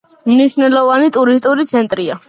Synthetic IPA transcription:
mniʃnɛlˠɔvanit̪ʼuɾist̪ʼuɾit̪sʰɛnt̪ʼɾia

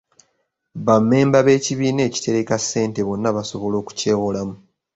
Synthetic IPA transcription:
βamːe̞ːmbaβe̞ːciβiːne̞ːci̥te̞ɾekasːe̞ːnte̞βo̞nːaβaso̞βo̞lo̞ːku̥ce̞ːwo̞lamu

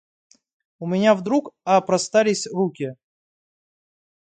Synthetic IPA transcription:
ʊmʲɪnʲavd̪ɾukɐpɾɐst̪alʲɪsʲrukʲɪ

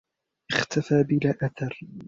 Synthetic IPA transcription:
ʔɪχt̪ʰafaːbɪlaːʔaθɑɾˤ

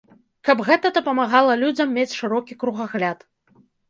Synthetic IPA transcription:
kɐbɣɛt̪ɐd̪ɐpɐmaɣalˠɐlʲud͡zʲɐmːʲet͡sʲʂɨɾɔkʲikɾuɣaɣlʲat̪

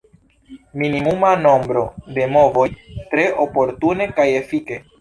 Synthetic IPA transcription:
minimumano̞mbɾo̞de̞mo̞vo̞jtɾe̞ʔo̞po̞ɾtune̞kaje̞fike̞

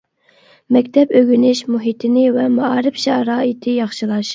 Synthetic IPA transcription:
mɛkʲt̪ʰɛpøɡʲynɪʃmuɦit̪ʰɪnɪvɛmɑɑːɾɪfʃɑɾɑːit̪ʰɪjɑχʃɨlˠɑʃ

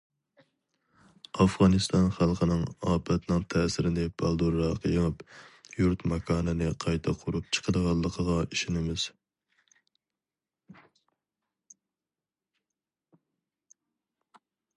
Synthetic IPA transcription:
ɑfʁɑnɨst̪ɑnχælˠqʰənɨŋɑːpʰɛt̪nɨŋt̪ʰɛsɪɾɪnɪbɑlˠd̪uɾɑqʰəjɪmɨpjuɾt̪mɑkʰɑːnɨnɪqʰɑjt̪ʰɑqʰʊɾup̚t͡ʃʰə̥qʰəd̪əʁɑlˠːəqʰəʁɑiʃɪnɪmɪz̥

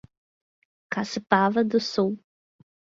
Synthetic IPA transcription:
kasɪpavɐd̪ʊsuw

